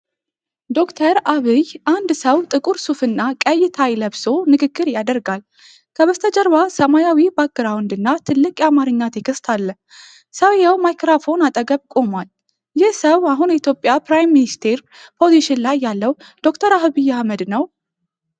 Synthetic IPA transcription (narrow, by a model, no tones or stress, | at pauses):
d̪o̞kt̪ʰəɾaβɨjʔand̪səwt̪ʼɨkʼuɾsufɨnːakʼəjːɪt̪ʰajləβso̞nɨɡɨɡːɨɾjad̪əɾɡal | kʰəβəst̪ʰəd͡ʒʼəɾβasəmajawibaɡːɨɾawɨnd̪ɨnːat̪ʰɨlːɨkʼjamaɾɨɲːat̪ʰekʰɨst̪ʰalːəh | səwjɛwmajkɾafo̞nat̪ʼəɡəβkʼo̞mal | jɪhsəwaɦunjɛit̪ʰjo̞pʼjapɾajmːinist̪ʰeɾ | pʰo̞ziʃɪnlajːalːəw | d̪̥o̞kt̪ʰəɾaɦβɨjːahməd̪nəw